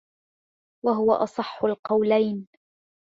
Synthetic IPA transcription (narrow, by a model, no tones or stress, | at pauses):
waɦʊwa̰ʔɑsˤɑħːʊlqɑwlajn